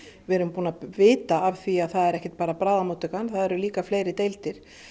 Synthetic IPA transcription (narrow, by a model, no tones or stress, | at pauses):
vɛɾʏmpuːnavɪːt̪aːv̥θviaðθaðɛɾɛhcɛ̥t̪̚paːɾapɾaːðamoːt̪ʏkanθaðɛɾʏliːkafleːjɾɪt̪ejlt̪ɪɾ̥